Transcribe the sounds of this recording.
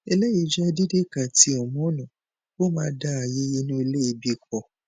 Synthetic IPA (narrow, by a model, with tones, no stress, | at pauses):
ɛ˧lɛ˦ji˧˨d͡ʒa˦˧di˦de˦˨ka˨ti˨˧˦ɔ˨mɔ̃˨˦nã˨ | bo˦mãː˦da˦a˨je˦ji˦nũ˦i˧le˦i˧bi˧k͡p̚ɔ˨